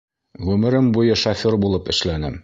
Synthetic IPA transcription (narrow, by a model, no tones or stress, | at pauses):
ʁʉmɘ̆ɾɘmbujɤʃɒfʲoɾbulˠɤpɘ̆ʃlænɘm